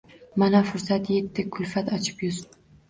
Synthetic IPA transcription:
manafʊɾsat̪je̞t̪ʰːɪkʰʊlfat̪ɑt͡ʃʰɪ̥pjʊz

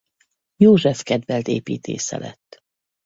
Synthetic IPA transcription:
joːʒɛfkɛd̪vɛlt̪eːpiːt̪ʰḛːsɛ̰lɛt̪ː

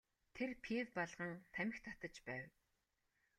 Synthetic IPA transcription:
t̪ʰerpʰewpaɮʁə̆ŋt̪ʰæmʲɪ̆xt̪ʰat̪ə̆t͡ɕpæːw

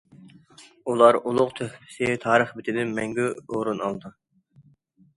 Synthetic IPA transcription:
ulˠɑɾulˠʊqt̪ʰøhpʰɪ̥sɪt̪ʰɑːɾəχbɪt̪ʰɪd̪ɪnmɛŋɡʲyoɾunɑ̰lˠd̪ɨ

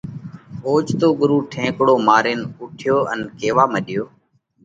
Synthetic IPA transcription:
oːt͡ʃt̪oːɠʊɾuːʈʰẽːkɽoːmaːɾeːnʊʈʰɪjoːʔənkeːʋaːməɗɪjoː

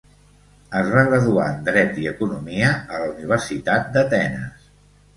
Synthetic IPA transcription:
əzβaɣrəðua̰nd̪ɾɛt̪iəkunumiəələuniβ̞əɾsit̪at̪̚d̪ət̪ɛnə̰s

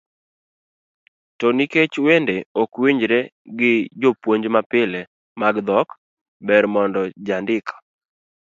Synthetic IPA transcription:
tɔniket͡ʃwendeɔkwiɲd͡ʒɾeɡɪd͡ʒopwoɲd͡ʒmapɪlɛ | maɡd̪ɔk | bɛɾmɔndɔd͡ʒandɪkʰɔ̥

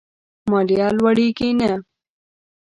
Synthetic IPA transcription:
maɾjɑːlwɐɽikina

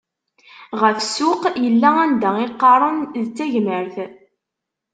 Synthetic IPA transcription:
ʁəfsʊqjəlːæænd̪æiqːɑɾˤənðt͡sːæʝnəɾθ

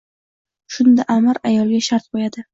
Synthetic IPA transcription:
ʃʊnd̪aʔamaɾajɒlˠɡʲaʃaɾt̪̚bojad̪ɪ

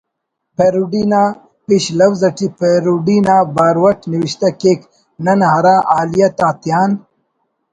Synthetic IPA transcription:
peɾuɖinaː | piɕlɐwzɐʈipeɾuɖinaːbaːɾwɐʈniwiɕt̪ɐkeːk | nɐnɦɐɾaːʔaːlijɐt̪aːt̪jaːn

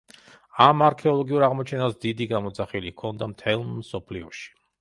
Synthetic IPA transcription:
amaɾkʰɛɔlˠɔɡiuɾaʁmɔt͡ʃʰɛnasd̪id̪iɡamɔd̪zaχilikʰɔnd̪amt̪ʰɛlˠmsɔpʰliɔʃi̥

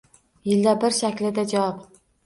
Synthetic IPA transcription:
jɪld̪abɪɾʃakʲlɪd̪ad͡ʒawɒp

